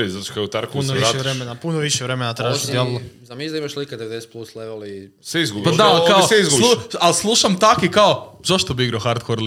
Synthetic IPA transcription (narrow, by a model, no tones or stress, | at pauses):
izat͡ʃkaut̪aɾkuunoiʃaɾemenapunoʋiʃeʋɾemenat̪ɾaːʒit̪lzamizd̪aimaʃliked̪eed̪esplusleʋel | sʋeizɡubipad̪alkaoseizɡulˠualslˠuʃamt̪akikaozaʃt̪obiiɡɾaoxaɾd̪koɾl